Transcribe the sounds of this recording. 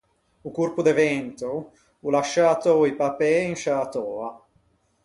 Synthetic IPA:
ukurpud̪evɛnt̪u | ulaʃːat̪ɔipapɛinʃat̪ɔːa

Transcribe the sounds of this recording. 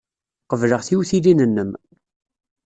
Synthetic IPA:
qəvləʁθiwθilinənːəm

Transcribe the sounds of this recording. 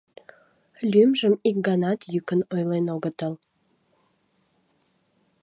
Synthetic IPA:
lʲymʒəmik̚ɡɑnɑt̪jykənojlenoɣət̪əl

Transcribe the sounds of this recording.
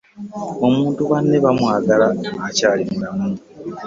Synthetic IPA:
o̞muːntuβanːeβamwaːɡalaacaːliŋdam

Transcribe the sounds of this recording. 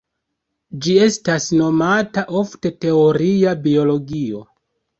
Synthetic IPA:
d͡ʒie̞stasno̞mataʔo̞fte̞te̞oɾiabio̞lo̞ɡio̞

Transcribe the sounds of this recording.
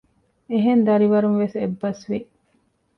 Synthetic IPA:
eɦend̪ɐɾiʋɐɾuŋʋesebːɐsʋi

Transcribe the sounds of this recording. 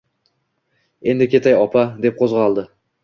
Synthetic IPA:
e̞nd̪ɪkʲe̞t̪ajɒpʰad̪e̞p̚qʰozʁɑlˠd̪ɪ

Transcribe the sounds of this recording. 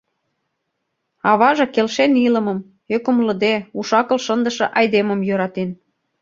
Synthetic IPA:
ɑβɑʒɤ̆kelʃenilə̆mɤ̆m | økə̆mlə̆d̪euʃɑkɤ̆lʃənd̪ə̆ʃɤ̆ʔɑjd̪emə̆mjøɾɑt̪en

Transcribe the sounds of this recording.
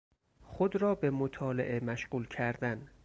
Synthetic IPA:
xod̪ɾɒːbe̞mot̪ʰɒːlḛʔemæʃɢuːlcʰæɾd̪æn

